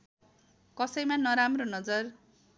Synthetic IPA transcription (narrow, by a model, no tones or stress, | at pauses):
kʌsʌjmanʌɾamronʌd͡zʌr